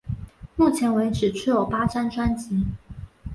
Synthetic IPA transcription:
mu˥˩t͡ɕʰjɛ˧˥nwe˧˥ɪʈ͡ʂɻ̩˨˩ʈ͡ʂʰy˥˩jo˨˩pa˥ʈ͡ʂa˥nʈ͡ʂwa˥nt͡ɕi˧˥

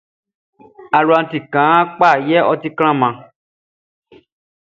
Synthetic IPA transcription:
a˨lu˨a˨˧˨ti˨kã˨˦k͡pa˦˨jɛ˦ʔɔ˧ti˦kl̃ã˦˨mã˧˦

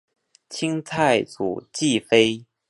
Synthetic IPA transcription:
t͡ɕʰi˥ŋt͡sʰa˥˩ɪt͡su˨˩t͡ɕi˥˩fe˥ɪ

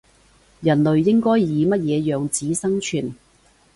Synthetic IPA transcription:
jɐ˨˩nlɵ˨ɥːɪ˥ŋkɔː˥jːiː˨˧mɐ˥t̚jɛː˨˧jœː˨ŋt͡siː˨˥sɐ˥ŋt͡ʃʰyː˨˩n

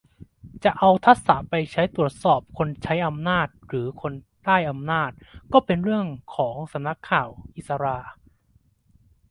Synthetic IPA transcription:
t͡ɕa˨˩ʔa˧wt̪ʰa˦˥t̪̚sa˩˦pa˧jt͡ɕʰa˦˥jt̪ɾu˨˩ət̪̚sɔː˨˩p̚kʰo˧nt͡ɕʰa˦˥jʔa˧mnaː˥˩t̪̚ɾɯː˩˦kʰo˧n | t̪aː˥˩jʔa˧mnaː˥˩t̪̚kɔː˥˩pe˧nɾɯ˥˩əŋkʰɔː˩˦ŋsa˨˩˦mna˦˥kʰːaː˨˩wʔi˨˩t̪̚sa˧ɾaː˧

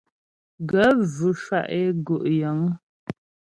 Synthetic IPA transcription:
ɡə˨˦vʉ˨ʃwa̰˦˨ʔe˦ɡo˨ʔjə˨˦ŋ

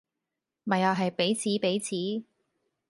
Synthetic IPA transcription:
mɐ˨jaː˨˧ɦɐ˨jpe˨˥jt͡sʰiː˨˥pe˨˥jt͡sʰiː˨˥

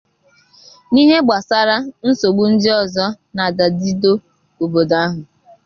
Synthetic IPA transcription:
ni˦ɦe˦ɡ͡ba˨sa˦ɾa˦n̩˦so˨ɡ͡bu˦n̩˦dɪ˦ɔ˨zɔ˦ | na˨da˨di˦do˦ | o˨bo˨da˦ɦʊ˨

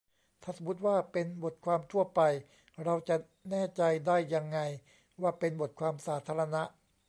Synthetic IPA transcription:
t̪ʰaː˥˩sa˨˩mu˦˥t̪̚waː˥˩pe˧nbo˨˩t̪̚kʰwaː˧mt̪ʰu˥˩ɐpa˧j | ɾa˧wt͡ɕa˨˩ | nɛː˥˩t͡ɕa˧jdaː˥˩jːa˧ŋːa˧j | waː˥˩pe˧nbo˨˩t̪̚kʰwaː˧msaː˩˦t̪ʰaː˧ɾa˧na˦˥ʔ

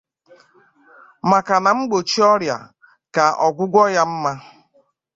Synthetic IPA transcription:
ma˨ka˨na˨ŋ͡m̩˦ɡ͡bo˨t͡ʃi˦ɔ˦ɾja̰˨ | ka˨ɔ˨ɡʷʊ˦ɡʷɔ˦ja˦m̩˦ma˦

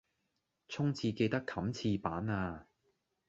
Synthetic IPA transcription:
t͡sʰʊ˥ŋt͡sʰiː˧ke˧jt̪ɐ˥kʰːɐ˨˥mt͡sʰiː˧paː˨˥naː˧

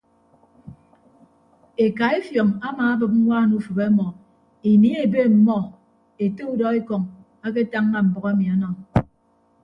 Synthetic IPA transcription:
e˨ka˨e˦fjɔ˨ŋa˦maː˨a˦bɨ˨p̬̩̚˦wʷaː˦˨nu˦fɨ˨be˦mɔ˨ | e˨ni˦e˨be˦m̩˨mɔ˦ | e˨te˦u˦dɔ˦e˦kɔ˨ŋ | a˦k̬e˦ta˦ŋː˦a˦m̩˨bɔ˨ɣe˦mi˨a˨nɔ˨ŋ

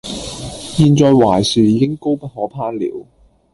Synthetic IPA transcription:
jiː˧nt͡sɔː˨˧jwaː˨˩jsyː˨˩jiː˨˧kɪ˥ŋko˥wpɐ˥t̚hɔː˨˥pʰaː˥nlḭː˨˥w

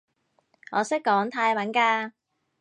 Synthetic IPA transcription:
ŋɔː˨˧sɪ˥k̚kːɔː˨˥ŋt̪ʰaː˧jwɐ˨˥nkaː˧

